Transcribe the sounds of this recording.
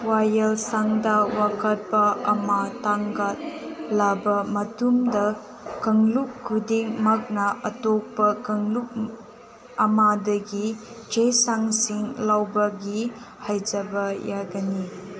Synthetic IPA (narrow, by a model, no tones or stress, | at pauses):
wajɐlsaŋdɐwakɐt̚pɐɐmataŋɡat̚labɐmɐtumdɐ | kɐŋlukkʰːudiŋmɐk̚nɐʔɐtok̚pɐkɐŋluk̚ | ɐmadɐɡid͡ʒesaŋsiŋlawbɐɡi | hajd͡ʒɐbɐjaɡɐni